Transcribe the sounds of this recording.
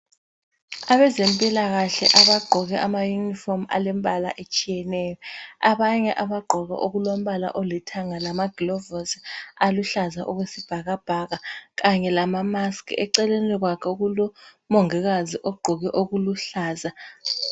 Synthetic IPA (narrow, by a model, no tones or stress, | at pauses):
aβɛzempʼilaɣaɬɛ̰ʔaβaɡ͡ǃʱɔɣɛʔamajunifɔma̰lɛmbala̰ʔet͡ʃʼijɛnɛjɔaβaɲɛʔaβaɡ͡ǃʱɔɣɛ̰ʔoɣulom̩βala̰ʔɔlɛtʰaŋalamaɡ̥ilɔvɔsaluɬazaʔɔɣwesib̥ʱaɣab̥ʱaɣaɣaɲɛlamamaskʰɛ̰ǀɛlɛnɛlɛɣ̬wakʰɛuɣulɔ | mɔŋɛɣaziʔɔɡ͡ǃʱɔɣɛʔoɣuluɬaːza